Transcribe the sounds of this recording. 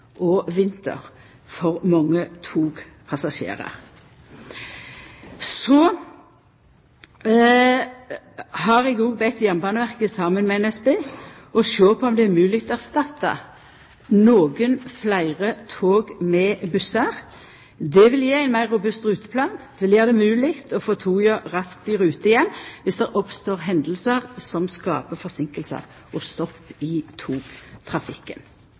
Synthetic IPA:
ʔɔʋɪnt̪ə̰ʁ | fɔʁmɑŋːət̪ʰuːɡ | pʰɑsɑʃḛːʁə̰ʁ | sɔ | hɑʁɛɡuːɡ̚bɛt̪jæməbɑːnəʋæʁkəsɑmənmɛɛnɛsbeː | ɔʃøːpʰɔɔmd̪ɛæɾmʉːlɪkt̪ʰɔæst̪ɑt̪ːə̰ | noːɡənflæɪʁət̪ʰoːɡmɛbʉsəʁ | d̪ɛʋɪljeːæɪnmæɪʁʊbʉst̪ʁʉːt̪ə̥pʰlɑːnd̪̥ɛʋɪljeːʁd̪ɛmʉːlɪkt̪ʰɔfoːt̪ʰuːjəʁɑsk̚t̪ɪʁʉːt̪əɪjɛnːʋɪsd̪ɛʔɔpst̪oːʁɦɛnd̪l̩səʁsɔmskɑ̰ːpəfɔʁsɪŋkəlsə̰ | ɔst̪ɔpːɪt̪ʰuːt̪ʰʁɑfɪkːən

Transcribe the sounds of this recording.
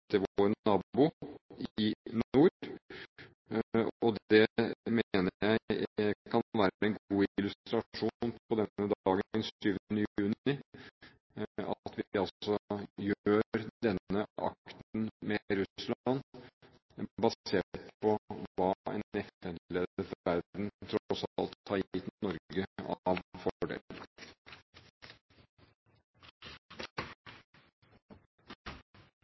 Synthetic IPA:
d̪̥ɛʋɾɛnɑːbʊ | ɪnuː | ɔd̪ɛmeːnəjæɪkʰɑnʋæːɾəɛnɡɡuːɪɪlʉst̪ɾɑʂuːnpʰɔd̪ɛnːəd̪ɑːɡəənʂyːʋənəjjʉːnɪ | ɑ̰t̪ʋɪɑlsɔjøːɾd̪ɛnːəʔɑ̰kt̪n̩mɛɾʉslɑn | bɑseːʈpʰɔʋɑːɛ̰nɛft̪əd̪leːd̪əfæɾd̪n̩t̪ʰɾɔsɑlt̪ʰːɑːɾjɪt̪mnɔɾɡəɑʋfɔɖḛːll

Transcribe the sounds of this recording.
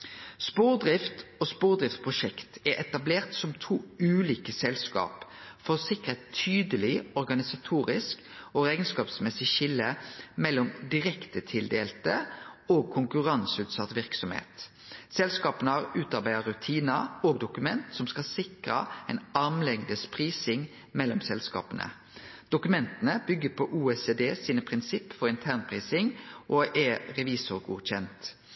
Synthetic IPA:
spuːʁd̪ʁɪft̪ospuːʁd̪ʁɪft̪pʰʁʊʃɛkt̪ɛɾʔɛt̪ɑbleːʁt̪sɔmt̪ʰuːʉːliːkəsɛlskɑ̰ːpfɔʁɔsɪkəɛt̪ʰyːd̪əlɪɔʁɡɑnɪsɑt̪ʰuːɾɪsk | oæɪɡənskɑːpsmɛsɪʃɪlːəmɛlːɔmd̪ɪʁɛkt̪ət̪ʰɪld̪eːlt̪əoːɡ̚kʰʊŋkʉʁɑnsʉːt̪sɑt̪ʋɪʁksɔmhḛːt̪ | sɛlskɑːpənəɑʁʉːt̪ɑʁbæɪəɾʉt̪ʰiːnəɔːɡd̪ʊkʉmɛnt̪sɔmskɑlsɪkʁə̰ɛnɑʁmlɛŋd̪əspʰʁiːsɪŋ | mɛlːɔmsɛlskɑ̰ːpənə̰ | d̪̥ʊkʉmɛnt̪ənəbʏɡːəpʰɔʔuːesed̪eːsiːnəpʰʁɪnsɪpːfɔɾɪnt̪ʰæːʁnpʰʁiːsɪŋʔɔʔɛʁɛʋiːsʊɾɡṵːɕɛnt̪

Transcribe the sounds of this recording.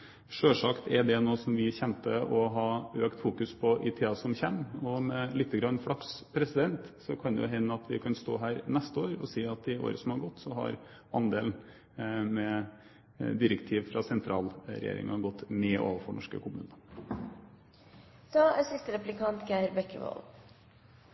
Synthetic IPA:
ʂøːʂɑkt̪ɛd̪ɛnoːsɔmʋɪçɛnt̪əʔɔɦɑøːkt̪fuːkʉspʰɔʔɪt̪ʰeːɑsɔmçɛmːɔmɛlɪt̪ːəɡɾɑnːfɽɑkspʰɾɛsɪd̪ɛnt̪sɔkʰɑnd̪ɛjʊɦɛnːəɑt̪ʋɪkʰɑnst̪o̰ːɦæːɾnɛst̪əoːɾɔ̰siːɑt̪ɪo̰ːɾəsɔmhɑɾɡɔt̪ːsɔɦɑ̰ɾ | ɑnd̪eːln̩ | mɛ | d̪ɪɾəkt̪ʰiːʋfɾɑsɛnt̪ʰɾɑːlɾɛ̰jḛːɾɪ̰ŋɑɡɔt̪ːneːʔo̰ːʋəɾfɔɳɔʂkə̰kʰʊmʉ̰ːnɑ | d̪̥ɑːæsɪst̪əɾɛplɪkʰɑnt̪ɡæɾbɛkːə̰ʋɔ̰l

